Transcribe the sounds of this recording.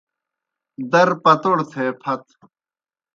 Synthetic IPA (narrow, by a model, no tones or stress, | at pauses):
d̪ɐɾpɐt̪oɽt̪ʰeːpʰɐt̪